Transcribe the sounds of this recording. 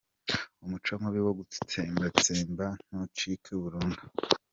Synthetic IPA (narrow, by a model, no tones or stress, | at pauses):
umut͡ʃamaβiwoɡuti̥tʰeːmbat͡seːmban̥ot͡ʃikʰeβuɾuːndu